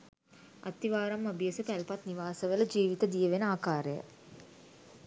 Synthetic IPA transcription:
a̰t̪ːiʋaːɾamːabijəsəpælpat̪niʋaːsəʋələd͡ʒiːʋit̪əd̪ijəʋenəaːkaːɾəjə̰

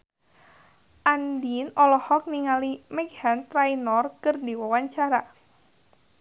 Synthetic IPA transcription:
ʔandinɔlɔhɔk̚niŋalimɛɡhant̪ɾainɔrkɨrdiwawaɲt͡ʃaɾa

